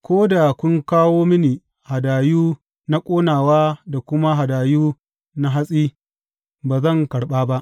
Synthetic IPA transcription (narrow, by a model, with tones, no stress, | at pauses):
kʷoː˦da˨kʷʊ˦ŋkaː˦woː˦mɪ˦niː˨ | ha˨daː˨juː˦ | na˦kʷʼoː˦naː˨waː˦da˨kʷʊ˦ma˦ɦa˨daː˨juː˦ | na˦ɦa˦sʼiː˦ | baː˨zɐ˦˨ŋkɐ˨ɽɓaː˦ba˦ʔ